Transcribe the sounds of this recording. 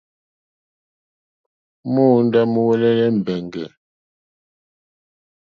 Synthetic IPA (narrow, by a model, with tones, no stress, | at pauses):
mo˦˨n˦da˦mə˦wɛ˦lɛ˦lɛ˦m̩˨bɛ˨ŋɡɛ˨